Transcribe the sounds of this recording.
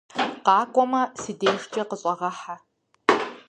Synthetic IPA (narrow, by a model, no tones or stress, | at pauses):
qɑːkʷʼɔmɐsɨdeːʂt͡ʃʼɐqəɕʼɐʁɐħa